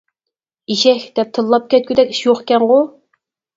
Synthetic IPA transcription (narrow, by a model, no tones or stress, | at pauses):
iʃɛçʲd̪̥ɛp̚t̪ʰɨlˠːɑp̚kʲɛt̪̚kʲyd̪ɛkʲi̥ʃjoχkʲɛŋʁʊ